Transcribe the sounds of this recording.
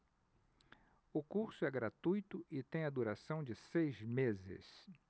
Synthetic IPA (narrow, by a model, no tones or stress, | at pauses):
ʊkuɾsʊɛɡɾat̪ujt̪ʊɪt̪ẽj̃ɐd̪uɾasɐ̃w̃d͡ʒɪsejzmezɪ̰s